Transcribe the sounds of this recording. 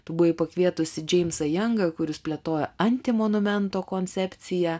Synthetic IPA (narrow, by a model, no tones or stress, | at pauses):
t̪ɐbʊʋɛɪpɐkʋʲiɛt̪ʊsʲɪd͡ʒʲɛɪmsɐjɛŋɡɐkʊɾʲɪspʲlʲɛt̪oːjɛɐnʲt̪ʲɪmonʊmʲɛnt̪oːkoːnʲt̪sʲɛpʲt̪sʲɪjɛː